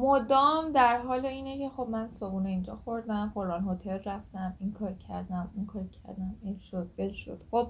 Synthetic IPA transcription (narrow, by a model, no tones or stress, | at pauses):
mod̪ɒːmd̪æɾɦɒːleiːnecʰe̞xo̞bmænsobuneind͡ʒɒːxoɾd̪æmqoɾɒːnɦot̪ʰelræft̪æmiŋkʰɒːɾcʰæ̰ɾd̪æmiŋkʰɒːɾcʰæ̰ɾd̪æmenʃod̪̥̚belʃo̰d̪̥xob̥̚